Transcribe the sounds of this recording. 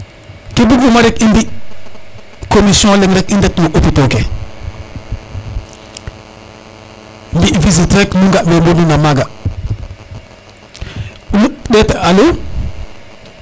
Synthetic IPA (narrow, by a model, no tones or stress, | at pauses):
kebuɡumaɾekinbi | komisjõlemɾekindetmoʔopitoke | mbiviz̬itɾeknuŋɡamembonunamaɡa | unuɗetaalo